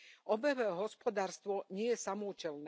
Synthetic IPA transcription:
ɔbɛʋɛɦɔspɔd̪aːɾst̪ʋɔɲɪɛjɛsamɔucɛln

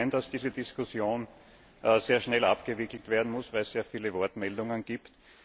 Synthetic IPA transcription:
ɪnd̥asd̥iːzədɪskʊsjoːn | ʔseːɐʃnɛla̰pɡ̥əvɪkl̩tv̥eːɐdn̩mʊsvæɪsseːɐfiːləvɔɐtmɛldʊŋənɡ̥iːpt

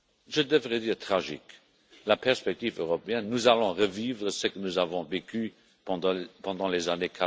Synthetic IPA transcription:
ʒəd̪əvʁɛd̪iːʁt̪χaʒḭk | lapɛʁspɛk̚t̪iːvøʁɔpeɛnːuzalɔ̃ʁəvivʁəsəkənuzavɔ̃veky | pɑ̃d̪ɑ̃lezanekʰa

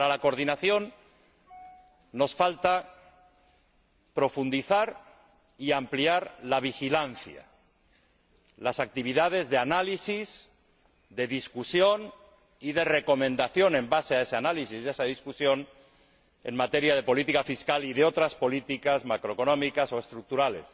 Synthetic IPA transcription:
aɾalako̞ɾð̞inaθjo̞n | o̞sfalt̪a | pɾo̞fund̪iθaɾ | iampliaɾlaβ̞ixilanθja̰ | lasak̚t̪iβ̞iðað̞e̞zðe̞analisiz | ðe̞ðiskusjo̞n | ið̞e̞re̞ko̞mẽnd̪aθjo̞nẽ̞mbase̞ae̞seanalisizðe̞saðiskusjo̞n | e̞̰nmat̪e̞ɾjað̞e̞po̞lit̪ikafiskaliðeo̞t̪ɾaspo̞lit̪ikazmakɾoeko̞nõ̞mikaso̞e̞st̪ɾuk̚t̪uɾale̞̰s

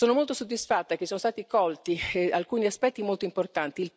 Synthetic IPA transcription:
oːnomolt̪osod̪ːisfat̪ːak̟esoːnost̪aːt̪ikɔlt̪ialkuːniaspɛt̪ːimolt̪oimport̪ant̪il

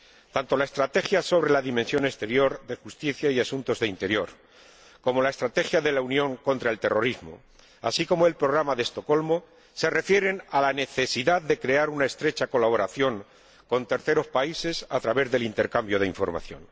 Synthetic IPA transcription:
t̪ant̪o̞lae̞st̪ɾat̪e̞xjaso̞βɾe̞laðimẽnsjo̞ne̞st̪e̞ɾjo̞ɾðe̞xust̪iθjaiasunt̪o̞zðeint̪e̞ɾjo̞ɾ | ko̞mo̞laest̪ɾat̪e̞xjaðe̞launjõ̞ŋko̞nt̪ɾae̞lt̪e̞ro̞ɾizmo̰ | a̰siko̞moe̞lpɾo̞ɣ̞ɾamaðest̪o̞ko̞lmo̞ | se̞re̞fje̞ɾe̞nalane̞θe̞siðaðd̪e̞kɾe̞aɾunaest̪ɾe̞t͡ʃako̞laβ̞o̞ɾaθjo̞ŋ | ko̞nt̪e̞ɾθe̞ɾo̞spaise̞sat̪ɾaβe̞zðe̞lint̪e̞ɾkambjo̞ð̞eiɱfo̞ɾma̰θjo̞̰n

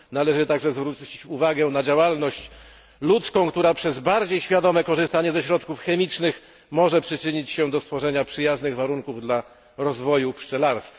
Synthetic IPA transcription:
nalɛʐɘt̪aɡʐɛzvɾut͡ɕt͡ɕit͡ɕuvaɡɛnad͡ʑawalnɔɕt͡ɕ | lut̪skɔ̃w̃kt̪uɾapʂɛzbaɾd͡ʑejɕfʲjad̪ɔmɛkɔʐɨst̪aɲɛzɛɕɾɔt̪kufxɛmʲit͡ʂnɘx | mɔʐɛpʂɘt͡ʂɘɲit͡ɕɕɛd̪ɔst̪fɔʐɛɲapʂɘjaznɘɣvaɾuŋkuvd̪la | ɾɔzvɔjupʂt͡ʂɛlaɾst̪f

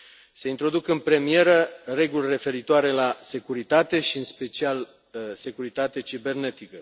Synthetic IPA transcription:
se̞int̪ɾo̞d̪ukɨnpɾe̞mije̞ɾəre̞ɡulʲre̞fe̞ɾit̪oaɾe̞lase̞kuɾit̪at̪e̞ʃiɨnspe̞t͡ʃial | se̞kuɾit̪at̪et͡ʃibe̞rne̞t̪ikə

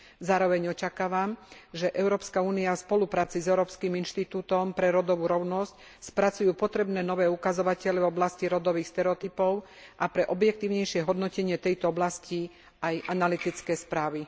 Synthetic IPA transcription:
zaːɾɔʋɛɲɔt͡ʃakaːʋamʒɛʔɛʊɾɔːpskauːniafspɔlupɾaːt͡sizɛʊɾɔːpskiminʃt̪it̪uːt̪ɔmpɾɛɾɔd̪ɔʋuːɾɔʊnɔsc | spɾat͡sujuːpɔt̪ɾɛbnɛːnɔʋɛːukazɔʋacɛʎɛvɔblasciɾɔd̪ɔʋiːxst̪ɛɾɛɔt̪ipɔʊ | ʔapɾɛʔɔbjɛk̚t̪iːʊɲɛjʃɪɛɦɔd̪nɔcɛɲɪɛt̪ɛjt̪ɔɔblasci | ajʔanalit̪it͡skɛːspɾaːʋi

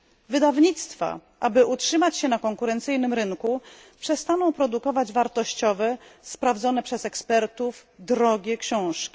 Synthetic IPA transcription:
vɘd̪avɲit̪st̪fa̰ʔabɘʔutʂɘmat͡ɕɕɛnakɔŋkuɾɛnt̪sɘjnɘmɾɘŋku | pʂɛst̪anɔ̃w̃pɾɔd̪ukɔvad͡ʑvaɾt̪ɔɕt͡ɕɔvɛspɾavd̪zɔn̪ɛpʂɛsɛkspɛɾt̪uvd̪ɾɔɡʲɛkɕɔ̃w̃ʂkʲi̥

